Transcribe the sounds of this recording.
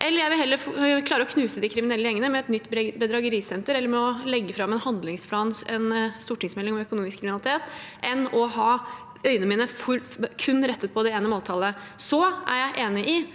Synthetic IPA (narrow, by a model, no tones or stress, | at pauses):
ʔɛlːəɾjæɪʋɪlɦɛlːəɾfkʰlɑːɾəɔkʰnʉːsəd̪ɪkʰɾɪmɪnɛlːəjɛŋːənəmɛɛt̪nʏt̪ːbəd̪ɾɑɡəɾiːsɛnt̪əɾɛlːəɾmɛɔlɛɡːəfɾɑmɛnhɑnd̪lɪŋspʰlɑːnɛnst̪uːʈɪŋsmɛlːɪŋɔmœkʊnuːmɪskʰːɾɪmɪnɑlɪt̪ʰeːt̪ʔɛnɔɦɑː | œʏənəmiːnəfɔɾkʰʉnːɾɛt̪ːət̪̚pʰɔd̪ɛeːnəmoːlt̪ʰɑːləsɔʔæ̰ɾjæɪʔeːnɪʔɪ